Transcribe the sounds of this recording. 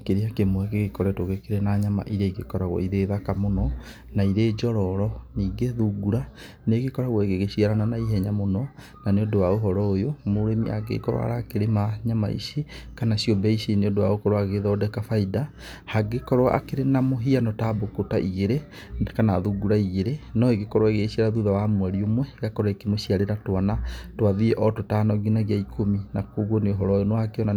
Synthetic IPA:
keɾeakemoɛkeɣekɔɾɛtoɣekeɾenaɲama̰ʔiɾeiɣekɔɾaɣwɔ̰iðeðakamonɔ | naiɾeːd͡ʒɔɾɔɾɔniːɡeðuɡuɾa | neɣekɔɾaɣwɔeɣeɣeɕiaɾananaiɦɛɲamonɔ | naneodowaoɦɔɾɔojomoɾemḭa̰ɡḛkɔɾw̰a̰ɾakeɾemaɲama̰ḭsikanaɕiɔbɛiɕineodowa̰okɔɾoaɣeðɔːdɛkafaida | haɡekɔɾwa̰ʔa̰keɾenamoɦianɔtaːbokotaʔiɣeɾe | kanaðuɡuɾaiɣeɾenɔeɣekɔɾwaeɣeɕiaɾaðuðawamwɛɾiomwɛɣakɔɾekemoɕiaɾeɾatwanatwaðiɛʔɔtotanɔɡinaɣiaikʰominakoːɣɔneoɦɔɾɔjonwakeɔna

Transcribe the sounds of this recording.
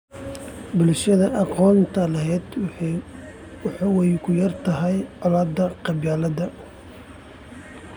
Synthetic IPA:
bʊlʃɐðɐʔɑqɔːnt̪ʰɐlɐɦɛːd̪ | ħɑwɛjkʰʊjɐrt̪ʰɐɦɛjʕɔlaːd̪ɐqɑbjaːlɐd̪ɐ

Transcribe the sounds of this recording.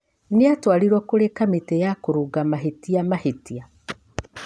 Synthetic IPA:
neatwaɾiɾwɔkoɾekametejakoɾuɡamaɦetiamahetia

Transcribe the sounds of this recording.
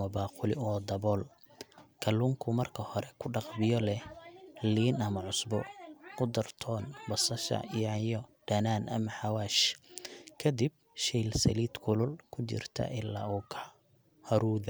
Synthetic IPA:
mɐbɑːqʊlɪɔːd̪ɐbɔːl | kʰɐluːŋkʰʊmɐrkʰɐhɔɾɛkʰʊɖɑqbɪjɔlɛhliːnɐmɐʕʊsbɔ̰kʰʊd̪ɐrt̪ʰɔːnbɐsɐʃɐ̰ijʕajɔɖ̥ɐnaːnʔɐmɐħɑwaːʃ | kʰɐd̪ib̚ | ʃɛjlsɐ̰liːd̪kʰʊlʊlkʰʊt͡ʃɪ̰rt̪ʰɐ̰ʔɪlːa̰ːuːkʰɐ | hɐɾuːð

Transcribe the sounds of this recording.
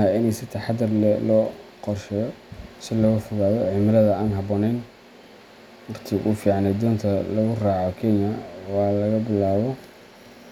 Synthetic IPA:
ɐɪnɛjsɪt̪ʰɐħɑd̪ɐrlɛlɔːqɔrʃɛjɔsɪlɔɣʊfʊɣaːðɔʕɪmɪlɐðɐaːnɦɑbɔːnɛjn | wɑqt̪ʰɪʔṵːfiːʕɑnɛjd̪ɔːnt̪ʰɐlɐɣʊraːʕɔkʰɛnjɐwɑːlɐɣɐbɪlaːβɔ

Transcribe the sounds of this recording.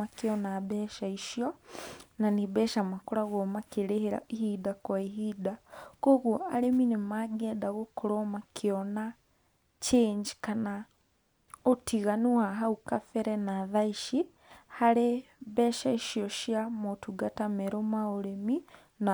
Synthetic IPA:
akeɔnabɛʃaiʃjɔnaniβɛʃamakoɾaɣɔmakeɾeheɾa̰ihidakwaiɦidakoɣuɔaɾeminemaɡɛːdaɣokoɾɔmakʰeɔna | t͡ʃeːɲd͡ʒi̥kana | otiɣanuaɦaukafɛɾɛnaðaiʃi | haɾe | βɛːʃaiʃiɔʃjamotuɡatameɾomaoɾemi | na

